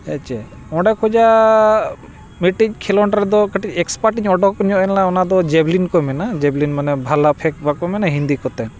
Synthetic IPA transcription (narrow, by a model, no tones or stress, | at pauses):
ɛt͡ʃɛ̰ | ɔ̃ɖakʰɔd͡ʒa | miʈiɲkʰɛlɔɳʈɾɛd̪ɔkəʈicɛkspaʈiɲɔɖɔkɲɔʔɛnlaɔnad̪ɔd͡ʒɛblinkɔmɛnad͡ʒɛblinmanɛbʱalapʰɛk̚bakɔmɛnaɦind̪ikɔt̪ɛn